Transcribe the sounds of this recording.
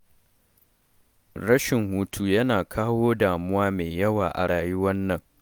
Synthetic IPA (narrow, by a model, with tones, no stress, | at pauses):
ɽɐ˦ʃɪ˨ŋhuː˦tʰu˦jɐ˦naː˨kʰaː˦woː˦daː˨mʊ˦waː˦meː˨jɐ˦waː˨ʔa̰˨ɽaː˨jʊ˦wɐ˦nːɐ˨ŋ